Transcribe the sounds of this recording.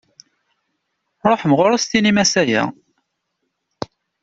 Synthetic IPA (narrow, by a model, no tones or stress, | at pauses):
ɾˤoħməʁʊɾɑst̪inimæsæjæ̰